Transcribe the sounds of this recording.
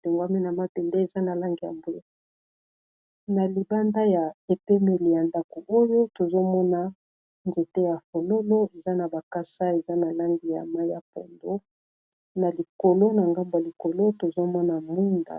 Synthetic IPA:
le˨ŋɡwa˦mi˦na˨ma˦pɛ˨nde˦e˨za˦na˨la˦ŋɡi˨ja̰˨mbo˦e˦ | na˨li˨ba˦nda˦ja˨e˨pɛ˦me˨li˨ja˨nda˨ko˨ʔo˦jo˦to˨zo˦mɔ˦na˦ | nze˨te˦ja˨fo˨lo˦lo˦e˨za˦na˨ba˨ka˦sa˦e˨za˦na˨la˦ŋɡi˨ja̰˨ma˦jja̰˨po̰˨ndo˦ | na˨li˨ko˨lo˦na˨ŋɡa˦mba˨li˨ko˨lo˦to˨zo˦mɔ˦na˨mu˦nda̰˨

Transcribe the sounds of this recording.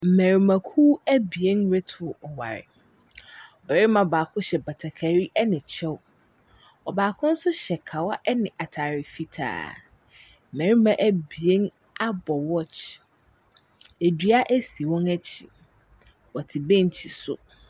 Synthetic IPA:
m̩˨mæ̃˨ɾi˨mã˨kʰuː˦æ˦bi˨ẽ˦nɾe˦tʰʊ˨ɔ˨wa̰˨ɾɪ̰˨ | ɔ˨bæ˨ɾɪ˦mã˨baː˨kʰʊ̃˦ɕɛ˨ba˨tʰa˨kʰa˨ɾi˦ʔɛ˦nɪ̃˨t͡ɕʰɛ˦w | ɔ˨baː˨kʰʊ̃˦n̩˦sʊ˦ɕɛ˨kʰa˨wa˦ʔɛ˦nɪ̃˨ʔa˨tʰaː˨ɾɪ˨fi˨tʰa̰ː˨ | m̩˨mæ̃˨ɾi˦mã˨ʔæ˦bi˨e˦n | a˦bɔ˨wɔ˦t͡ɕ | e˨di˨˦a˦ʔæ˦si˨wɔ̃˦næ˦t͡ɕʰi˨ | wɔ˨tʰɪ˨bẽ˦ɲ˨t͡ɕʰi˨sʊ̰˨

